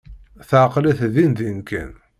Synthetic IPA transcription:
θəʕqlæθðinðinkːə̰n

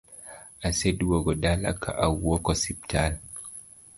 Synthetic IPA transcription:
ʔasedwɔɡɔdala̰kʰa̰ʔawːɔkɔsip̚tʰal

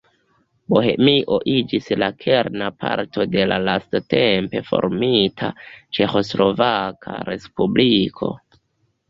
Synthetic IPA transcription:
boɦe̞̰miʔo̞ʔid͡ʒislakʰe̞ɾnapʰaɾtʰo̞de̞lalastate̞mpe̞fo̞̰ɾmitʰat͡ʃe̞xo̞slo̞vakʰaɾe̞spublikʰo̞

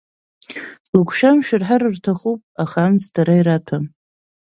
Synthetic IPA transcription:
lukʷʰʃamʃᶣɪrħaɾɨrtʰaχupʼaχamstʰaɾaiɾatʰam

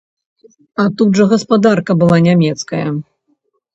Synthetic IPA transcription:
ɐt̪ud̪ʐɐɣɐspad̪arkɐbɨlˠanʲamʲɛt̪skɐjɐ

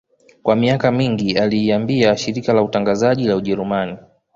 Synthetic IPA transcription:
kwamiakamiŋɡialiːambiaʃiɾikalautaŋɡazaʄilauʄɛɾumani

